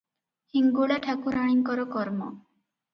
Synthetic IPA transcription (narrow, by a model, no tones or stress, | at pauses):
hiŋɡuɭaʈʰakuɾaɽ̃iŋkɔɾɔkɔɾmɔ̰